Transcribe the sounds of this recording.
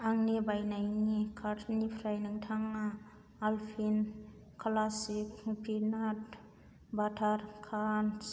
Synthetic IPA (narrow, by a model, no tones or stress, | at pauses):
aŋnibajnajnikʰaɾtʰnipʰɾajniŋtʰaŋaː | lpʰin | kʰlasikpʰinat̚ | batʰaɾkʰan